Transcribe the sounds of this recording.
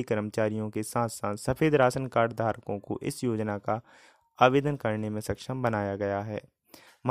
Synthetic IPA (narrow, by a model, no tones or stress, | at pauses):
ikəɾəmət͡ʃaːɾijõkesãːsãːnsɐpʰeːd̪ɾaːsənkaːɖd̪ʱaːɾkõko̰ʔɪ̰sjoːd͡ʒnaka | aːʋeːd̪ənkɐɾnemẽsɐkʃəmbɐnaːjaɡɐjaɦɛ̰ː | m